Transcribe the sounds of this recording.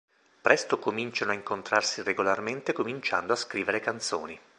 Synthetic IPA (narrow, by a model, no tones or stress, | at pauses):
pɾɛst̪okomint͡ʃanoaiŋkont̪ɾarsireɡolarment̪ekomint͡ʃa̰nd̪oaskɾiːveɾekant̪so̰ːni